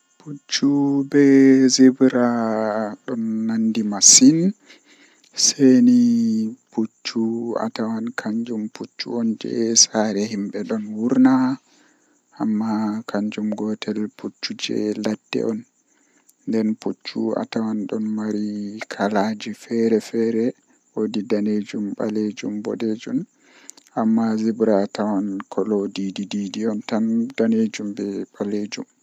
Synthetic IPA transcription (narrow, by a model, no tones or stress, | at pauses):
put͡ʃːubɛzebɾaɗɔnːandimasin | seniput͡ʃːua̰tawankʰaɲd͡ʒumput͡ʃːṵɔnd͡ʒɛ̰saɾɛhimɓɛɗɔnwuɾna | ʔamːakʰaɲd͡ʒumɡɔtʰɛlput͡ʃːud͡ʒɛ̰ladːɛ̰ʔɔn | ndɛnput͡ʃːua̰tawanɗɔnmaɾikʰalad͡ʒifɛɾɛfɛɾɛ | wodidaned͡ʒumɓa̰led͡ʒumbɔ̰ɗed͡ʒun | ʔamːazibɾatawankʰɔlodidididiɔntandaned͡ʒumbɛɓaled͡ʒṵm